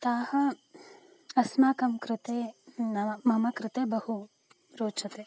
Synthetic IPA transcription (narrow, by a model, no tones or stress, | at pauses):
t̪aːhɐ | ɐsmaːkɐmkɾɪt̪eːnɐmɐmɐkɾɪt̪eːbɐhu | ɾoːt͡ʃʰɐt̪eː